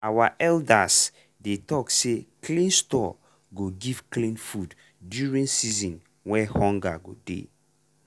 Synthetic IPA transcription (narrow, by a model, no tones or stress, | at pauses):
awaʔɛldas | detɔkseklĩnstɔ | ɡoɡiv̥klĩnfud | djuɹĩnsizɔ̃n | wɛhɔ̃ŋɡaɡodḛ